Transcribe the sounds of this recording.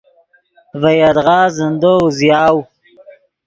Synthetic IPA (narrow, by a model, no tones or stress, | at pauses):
vajad̪ʁɑːzənd̪ozjɑːw